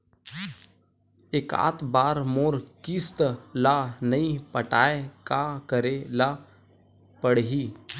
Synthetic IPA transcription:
eka̰ːt̪baːɾmoːɾkist̪lanəĩpəʈaːekakəɾela | pəɽɦiː

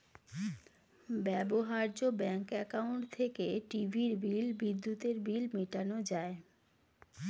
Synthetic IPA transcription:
bɛboɦaɾd͡ʑobɛŋkɛkauɳʈt̪ʰekeʈibʱiɾbilbid̪ːut̪eɾbilmiʈanod͡ʑae

